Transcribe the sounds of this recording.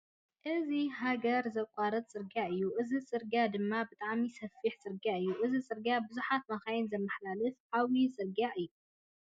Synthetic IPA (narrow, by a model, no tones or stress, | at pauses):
ʔɨziɦaɡɐɾzɐkʼaɾɨt̪̚t͡sʼɨɾɡaʔɨjːuʔɨzit͡sʼɨɾɡad̪ɨmːabɨt̪ʼaʕmisɐfːiħt͡sʼɨɾɡaʔɨjːuʔɨzit͡sʼɨɾɡabɨzuħat̪̚mɐxajɪnzɐmːɐħlalɨfʕawit͡sʼɨɾɡaʔɨjːu